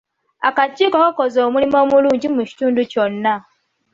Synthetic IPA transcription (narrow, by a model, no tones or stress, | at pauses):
a̰kat͡ʃiːkokakozoːmulimo̞ːmuluːɲɟimuci̥tuːnduconːa